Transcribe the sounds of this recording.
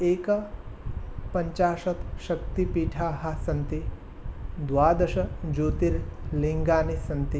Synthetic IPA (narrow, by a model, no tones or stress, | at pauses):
eːka | pɐɲt͡ʃaːʂɐt̪ɕɐkt̪ipiːʈʰaːɦasɐnt̪i | d̪ʋaːd̪ɐʂɐd͡ʒoːt̪iɾliŋɡaːnisɐnt̪i